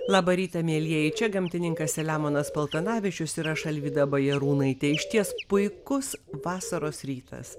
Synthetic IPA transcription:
lˠɑːbɐɾʲiːt̪ɐmʲiɛlʲiɛjɛt͡ʃʲɛɡɐmʲt̪ʲɪnʲɪŋkɐsʲɛlʲæːmoːnɐspɐlˠt̪ɐnɑːʋʲɪt͡ʃʲʊsiɾɐʃɐlʲʋʲiːd̪ɐbɐjɛɾuːnɐɪt̪ʲɛɪʃʲt̪ʲiɛspʊɪkʊsʋɑːsɐɾoːsɾʲiːt̪ʰɐ̰s

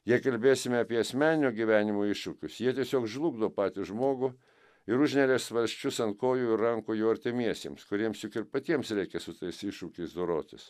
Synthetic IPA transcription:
jiɛkɐlʲbʲeːsʲɪmʲɛɐpʲiɛɐsʲmʲæːnʲɪnʲʊːɡʲiʋʲæːnʲɪmoːɪʃʊkʲʊsjiɛt̪ʲiɛsʲoːkʒlˠuɡd̪oːpɑːt̪ʲɪsʒmoːɡʊ | ɪɾʊʒʲnʲɛɾʲeːsʋɐlʲsʲt͡ʃʲʊsɐntkoːjʊɪɾɐŋkʊːjɛʊɐɾʲt̪ʲɪmʲiɛsʲḛːmskʊɾʲiɛmsjʊkɪɾpɐt̪ʲiɛmsɾʲɛɪkʲɛsʊt̪ɐɪsɪʃʊkʲɛɪsd̪oɾoːt̪ʲɪs

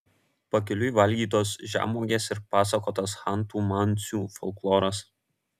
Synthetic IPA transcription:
pɐkʲɪlʲʊiʋɐlʲɡʲiːt̪oːsʒʲæ̰ːmoːɡʲeːsɪɾpɑːsɐkoːt̪ɐsxɑˑnˑt̪uːmɑnʲˑt̪sʲuːfɔlˠklˠoːɾɐs

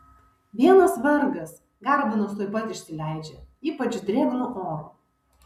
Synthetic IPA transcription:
ʋʲiɛnɐsʋɐɾɡɐs | ɡɑˑɾbʲɪnʊst̪oːɪpɐt̪ʲɪʃʲsʲɪlʲæˑɪd͡ʒʲɛiːpɐt͡ʃʲʊd̪ʲɾʲeːɡɾʊʔoːɾu

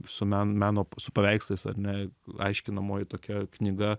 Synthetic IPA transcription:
sʊmʲæːnmʲæːnoːsʊpɐʋʲɛɪkslˠɐɪsɐ̰ɾnʲɛɐ̰ɪʃʲkʲɪnɐmoːjɪt̪oːkʲɛknʲɪɡɐ

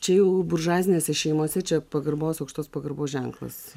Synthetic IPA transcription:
t͡ʃʲɛjɛʊbʊrʒɑːzʲɪnʲeːsʲɛʃʲɛɪmoːsʲɛt͡ʃʲɛpɐɡɐɾboːsɐʊkʃt̪oːspɐɡɐrɾboːsʒʲɛŋklˠɐ̰s

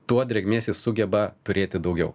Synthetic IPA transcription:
t̪uɔd̪ʲɾʲɛɡʲmʲeːsʲɪsʊɡʲɛbɐt̪ʊɾʲeːt̪ʲɪd̪ɐʊɡʲɛʊ

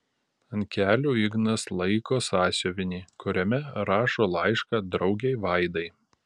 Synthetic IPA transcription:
ɐnʲkʲæːlʲuːɪɡnɐslˠɐɪkoːsɑːsʲoːʋʲɪnʲiːkʊɾʲɛmʲɛɾɑːʃoːlˠɑɪʃkɑːd̪ɾɒʊɡʲɛɪʋɑɪd̪ɐɪ

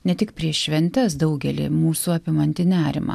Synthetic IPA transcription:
nʲɛt̪ʲɪkpʲɾʲiɛʃʃʲʋʲɛnʲt̪ʲɛsd̪ɒʊɡʲɛlʲɪ̰muːsuɐpʲɪmɐnʲt̪ʲɪnʲæːɾʲɪ̰mɑ̰ː

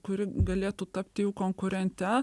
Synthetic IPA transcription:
kʊɾʲɪɡɐlʲeːt̪ut̪ɐpʲt̪ʲɪjuːkoŋkʊɾʲɛnʲt̪ʲɛ

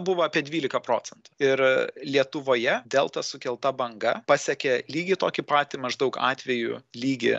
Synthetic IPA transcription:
bʊʋɐɑpʲiɛd̪ʲʋʲiːlʲɪkɐpɾoːt͡ssʲɛnt̪ʊ̥ɪɾlʲiɛt̪ʊʋoːjɛd̪ʲeːlˠt̪ɐsʊkʲɛlˠt̪ɐbɐŋɡɐpɑsʲɛkʲɛlʲiːɡʲɪt̪oːkʲɪpɑːt̪ʲɪmɐʒd̪ɐʊkɑ̰ːt̪ʲʋʲɛjʊ̰lʲiːɡʲɪ̰

